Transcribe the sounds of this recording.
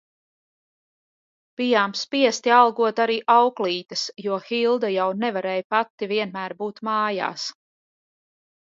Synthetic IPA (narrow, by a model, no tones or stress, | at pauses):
b̥ijaːmspiɛst̪ialˠɡuɔt̪aɾiːʔawkliːt̪ɐsjuɔxilˠd̪ajawnɛvaɾɛːjpat̪ːiviɛnmæːɾbuːt̪maːja̰ːs